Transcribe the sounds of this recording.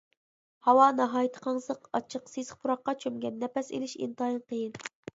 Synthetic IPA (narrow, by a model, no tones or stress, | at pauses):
hɑwɑnɑɦɑːjit̪ʰə̥qʰɑŋsəqɑt͡ʃʰəqsezχpʰuɾɑqːɑt͡ʃʰømɡʲɛnːɛpɛsḛlɪʃḭnt̪ɑjinqʰəjɨn